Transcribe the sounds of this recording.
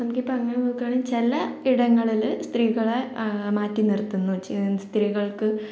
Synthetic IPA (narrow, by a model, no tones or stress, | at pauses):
nɐmukːipːoɐŋːɐneoːkːaːɳint͡ɕelːɐiɽɐŋːɐɭilst̪riːɣɐɭemaːtːinert̪ːunːut͡ɕist̪riɣɐɭkɨ